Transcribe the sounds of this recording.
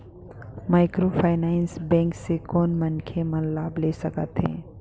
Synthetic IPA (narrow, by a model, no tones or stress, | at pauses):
maːɪkɾofʰaːɪnaːɪnsbɛ̃ːŋksekɔːnmɐnkʰemɐnlaːbleːsɐkət̪ɦɛ̰̃ː